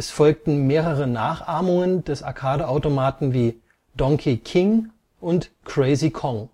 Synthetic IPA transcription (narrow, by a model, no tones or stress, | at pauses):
ɛsfɔlk̚tn̩meːʁəʁənaːχʔaːɐmʊŋənd̥ɛsa̰ɐkʰaːdəʔaʊtomaːtn̩viː | dɔŋkʰikʰɪŋ | ʔʊntkʁ̥ɛɪzikʰɔŋ